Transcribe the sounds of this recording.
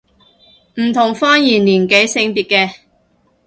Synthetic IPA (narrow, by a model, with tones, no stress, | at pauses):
m̩˨˩t̪ʰʊ˨˩ŋfɔː˥njiː˨˩nliː˨˩nke˨˥jsɪ˧ŋpiː˨t̚kɛː˧